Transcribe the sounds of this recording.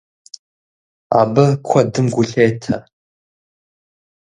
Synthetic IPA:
a̰ːbɐkʷʰɐdɨmɡʷʊɬeːtʰɐ

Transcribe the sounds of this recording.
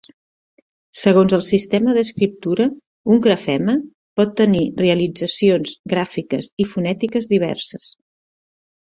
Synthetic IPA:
səɣonzəlˠsist̪ɛməðəskɾip̚t̪uɾə | uŋɡɾəfɛmə | pɔt̪ːənireəlid͡zəsionzɡɾafikəsifunɛt̪ikəzðiβ̞ɛ̰rsəs

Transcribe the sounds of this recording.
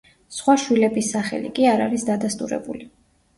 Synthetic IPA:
sχwaʃwilɛbisːaχɛ̰lḭkʼiaɾa̰ɾisd̪ad̪ast̪ʼuɾɛ̰buli

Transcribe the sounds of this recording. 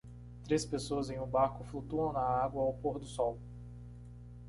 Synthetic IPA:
t̪ɾespesoɐzẽj̃ʊ̃baɾkʊflut̪uɐ̃w̃nɐaɡwɐːwpoɾd̪ʊsɔw

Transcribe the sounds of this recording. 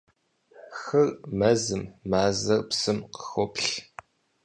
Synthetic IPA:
xɨrmɐzɨmːaːzɐrpsɨmqə̥xɔpɬ

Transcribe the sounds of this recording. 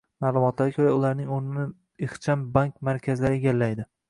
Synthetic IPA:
maːlˠʊmɒt̪laɾkʰʲɵɾaʊlaɾnɪŋoɾnɪnɪ | ɪχt͡ʃʰambaŋkʲmaɾkʲʰazɪlaɾɪeɡʲalːajd̪ɪ

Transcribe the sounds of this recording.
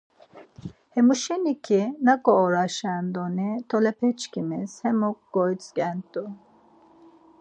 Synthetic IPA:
hemuʃenikʰinakoːɾaʃand̪onit̪ʰolepʰɛt͡ʃkʲʰimiz̥hemuk̚ɡojsɡʲɛnt̪u

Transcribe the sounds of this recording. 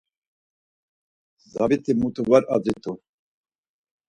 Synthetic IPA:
zabit̪ʰimut̪ʰuvaɾa̰d͡zit̪ʼu

